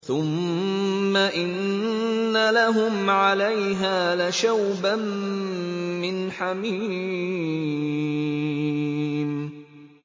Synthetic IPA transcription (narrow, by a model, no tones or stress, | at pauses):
θʊmː | aʔɪnː | alaɦʊmʕalajɦaːlaʃawba | ɪnħami | m